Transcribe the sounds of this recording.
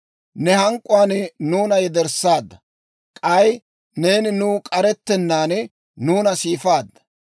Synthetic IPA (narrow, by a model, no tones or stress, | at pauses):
nɛhɐŋkʼːʊaːnnuːnɐjɛd̪ɛɾsaːd̪ːɐ | kʼɐj | ne̞ːnɪnuːkʼɐɾɛt̪ːɛnːaːn | nuːnɐsiːfaːd̪ːɐ̥